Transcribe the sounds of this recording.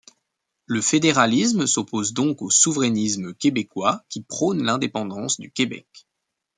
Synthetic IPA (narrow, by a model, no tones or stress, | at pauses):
ləfed̪eʁalismsɔpozd̪ɔ̃kosuvʁɛnisməkʲebekwakʲipχɔnlɛ̃d̪epɑ̃d̪ɑ̃sd̪ykʲebɛ̰k